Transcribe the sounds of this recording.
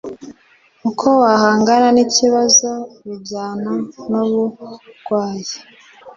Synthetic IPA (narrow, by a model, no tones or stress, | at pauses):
ukʰo̞wahaːŋɡananiciβazo̞βibɟaːnanoβuɡ̥waːje